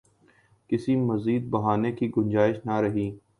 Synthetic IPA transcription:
kɪsimɐziːd̪̚bɐɦaːnekiɡʊ̃nd͡ʒaːɪʃnaɾɐɦiː

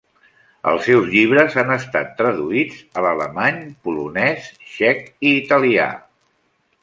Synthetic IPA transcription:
ə̰lˠsɛwzʎiβ̞ɾəzanəst̪a̰t̪ːɾəðuid͡zələləmaɲpulunɛsʃɛkiːt̪əlia̰

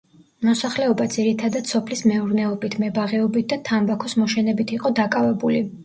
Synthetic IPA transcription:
mɔsaχlɛɔbad̪ziɾit̪ʰad̪ad̪sɔpʰlismɛuɾnɛɔbit̪ʰmɛbaʁɛɔbit̪̚d̪at̪ʰambakʰɔsmɔʃɛnɛbit̪ʰiqʼɔd̪akʼavɛbuli

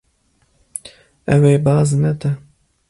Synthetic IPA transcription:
ɛweːbɑːznɛt̪ɛ

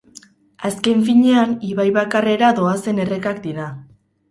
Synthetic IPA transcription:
aske̞ɱfiɲe̞aniβajβakare̞ɾaðo̞ase̞ne̞re̞kak̚d̪iɾa

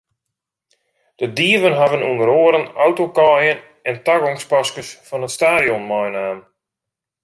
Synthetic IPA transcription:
d̥ədiəvənɦavənundəɾoːəɾənawtokɔjən | ɛntaɡɔŋspaskəsfɔnətstaːdjɔnmɔjnaːn

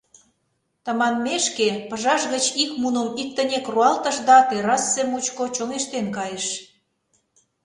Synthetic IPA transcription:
t̪ə̆mɑnmeʃkepə̆ʒɑʃɣət͡ɕikmunə̆mik̚t̪ə̆nʲekruɑlt̪ə̆ʃd̪ɑt̪eɾɑsːemut͡ɕkot͡ɕoŋeʃt̪enkɑjeʃ

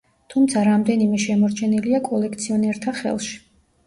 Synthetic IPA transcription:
t̪ʰumt̪sʰaɾamd̪ɛnimɛʃɛmɔɾt͡ʃʰɛniliakʼɔlɛkʰt̪sʰiɔnɛɾt̪ʰaχɛ̰lˠʃi̥

